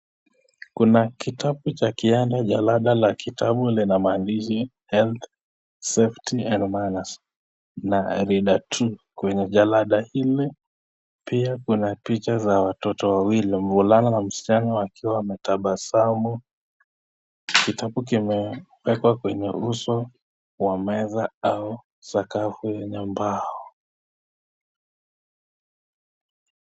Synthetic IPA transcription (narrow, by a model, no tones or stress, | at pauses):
kunakitʰaɓut͡ʃakiandaʄalaɗalakitʰaɓulinamaːndiʃ̬i | hɛlt̪ | seftʰiɛndmanas | naɾiɗatʰukwɛɲɛʄalaɗahili | piakunapit͡ʃazawatɔtɔwawilim̩vulananam̩si̥t͡ʃanawakʰiwamɛtaɓasamu | kitaɓukimɛwɛkwakwɛɲɛ̰usɔ | wamɛzaau | sakafujɛɲɛmbaɔ